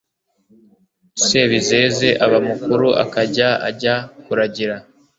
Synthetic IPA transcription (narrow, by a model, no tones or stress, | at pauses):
seβizeze̞ʔaβamukuɾuʔa̰kaɟaa̰ɟakuɾaɟiɾa